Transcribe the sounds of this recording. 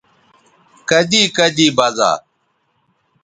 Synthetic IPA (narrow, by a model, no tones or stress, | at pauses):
kɐd̪iːkəd̪iːbɐza̰ː